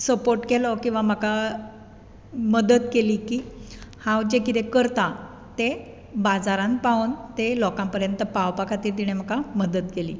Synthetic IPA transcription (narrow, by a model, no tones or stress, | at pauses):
səpoɾʈkelɔkĩw̃ʋam̤əka | məd̪ət̪keliːkiːhãwd͡ʑekit̪ekəɾt̪a | t̪e | bad͡zaɾãnpaunt̪elɔkãmpəɾjənt̪əpawpakʰat̪iːɾt̪̬iɽ̃em̤əkaməd̪ət̪̚kelḭː